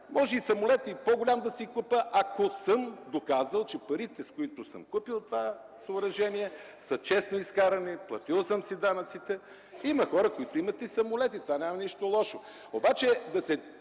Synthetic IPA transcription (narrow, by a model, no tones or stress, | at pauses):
mɔʒɛisɐmolɛt̪ipoɡolʲamd̪ɐsikupəʔakosəmd̪okazəlˠt͡ʃɛpɐɾit̪ɛskoit̪ʊsə̰mkupilˠt̪ova | soʊɾɐʒɛniɛ | sɐt͡ʃɛsnoiskaɾɐniplˠɐt̪ilˠsəmsid̪anɐt̪sit̪ɛ | imɐxɔɾəkoit̪oimɐt̪ɛisɐmolɛt̪it̪ovanʲamɐniʃt̪olˠɔʃo | obat͡ʃɛd̪ɐsɛ